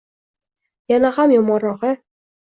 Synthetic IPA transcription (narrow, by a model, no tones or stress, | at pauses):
janahamjɒmɒɾɒqɤ